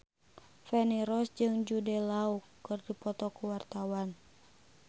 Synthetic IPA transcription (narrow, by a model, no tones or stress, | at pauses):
fɛniɾɔsd͡ʒɨŋd͡ʒudɛlaukːɨrdipɔt̪ɔkuwart̪awan